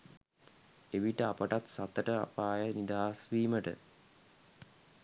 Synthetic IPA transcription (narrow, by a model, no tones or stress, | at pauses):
eʋiʈəapəʈat̪sat̪əʈəa̰paːjənid̪aːsʋiːməʈə̰